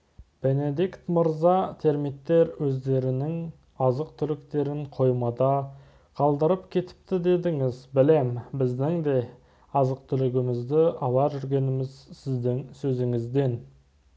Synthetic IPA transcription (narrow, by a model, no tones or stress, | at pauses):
b̥e̞ne̞d̪ikt̪məɾzɑt̪ʰe̞ɾmit̪ːe̞ɾwɵzd̪e̞ɾɪnɪŋ | ɑzəq̚t̪ʰʏlɪkt̪e̞ɾɪɴqʰo̞jmɑd̪ɑ | qʰɑlˠd̪əɾəpkʲʰe̞t̪ʰɪ̥p̚t̪ɪd̪e̞d̪ɪŋɪzbɪle̞mbɪzd̪ɪŋd̪e̞ | ɑzəq̚t̪ʰʏlɪɡʲɪmɪzd̪ɪɑlˠɑʒʏɾɡʲe̞nɪmɪzsɪzd̪ɪŋsɵzɪŋɪzd̪e̞n